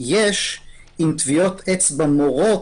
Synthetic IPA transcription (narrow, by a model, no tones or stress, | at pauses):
jeʃ | imt̪vio̞t̪ʰet͡sbamoʁo̞